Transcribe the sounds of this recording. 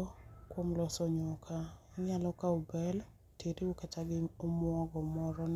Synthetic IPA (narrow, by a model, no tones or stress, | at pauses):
kwomlɔsɔɲʊkʰaɲalɔkaubɛl | teɾiukataɡɪomwɔɡɔmɔɾɔn